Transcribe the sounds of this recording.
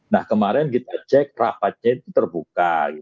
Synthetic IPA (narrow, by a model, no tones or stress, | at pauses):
nahkəmaɾɛnkit̪at͡ʃɛk̚ra̰pat̪̚ɲait̪ut̪ərbukaɡit̪